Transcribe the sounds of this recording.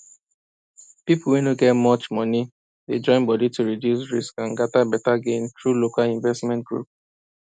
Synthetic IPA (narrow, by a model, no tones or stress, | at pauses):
pipuwinoɡɛtmɔt͡ʃmɔni | ded͡ʒɔ̃ɪ̃nbɔdituɹidjusɹiskãnɡatabɛtaɡẽnθɹulokalĩɱvɛstmɛ̃nt̚ɡɹṵp̚